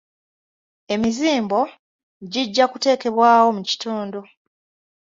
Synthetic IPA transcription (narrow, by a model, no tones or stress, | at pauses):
e̞miziːmbo̞ | ɟiɟːakute̞ːke̞βwaːwo̞muci̥toːndo̞